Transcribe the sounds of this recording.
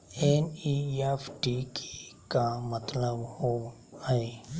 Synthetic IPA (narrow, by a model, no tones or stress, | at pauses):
eniːepʈikʰe̥kamət̪ləbho | e